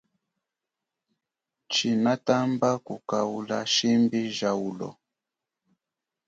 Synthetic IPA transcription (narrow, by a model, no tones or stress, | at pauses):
t͡ʃinatambakukaula̰ʃimbiʒaulɔ̰